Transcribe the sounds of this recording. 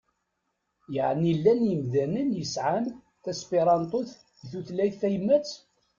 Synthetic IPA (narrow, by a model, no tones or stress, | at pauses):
jəʕnilːænjəmðænənjəsʕan | θæspiɾˤɑnt̪ˤʊθ | iθuθlæjθθæjəmːæt͡s